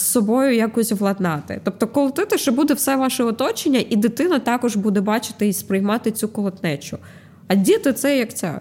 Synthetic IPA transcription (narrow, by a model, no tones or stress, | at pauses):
ssɔbɔjʊjakɔsʲʋlˠɐd̪nɑt̪ɪ̰t̪ɔp̚t̪ɔkɔlˠɔt̪ɪt̪ɪʃɛbud̪ɛwsɛʋɑʃɛɔt̪ɔt͡ʃɪnʲːɐʔid̪ɪt̪ɪnɐt̪ɑkɔʒbud̪ɛbɑt͡ʃɪ̥t̪ɪispɾɪjmɑt̪ɪt̪t͡sʲukɔlˠɔt̪nɛt͡ʃʊ | ɐdʲit̪ɪt̪sɛjɐkt͡sʲɑ̰